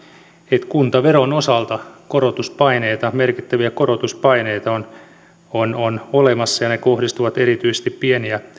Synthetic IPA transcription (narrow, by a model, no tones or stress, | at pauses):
et̪kunt̪ɑʋeɾonosɑlt̪ɑkoɾot̪uspɑineit̪ɑmerkit̪ːæʋiækorot̪uspɑineit̪ɑon | ononolemɑsːɑjɑnekohdist̪uʋɑt̪eɾit̪yisest̪ippieniæ